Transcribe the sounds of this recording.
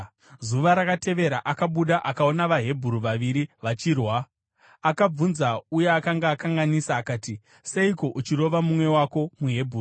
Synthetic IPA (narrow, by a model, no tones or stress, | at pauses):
zuʋaɾakate̞ʋe̞ɾaʔakaɓuɗaʔakao̞naʋaɦe̞bʱuɾuʋaʋiɾiʋat͡ʃirwa | akab͡vunzaujeakaŋɡaːkaŋɡanisaːkaːti | seiko̞ʔut͡ʃiro̞ʋamumwe̞wako̞muɦe̞bʱuru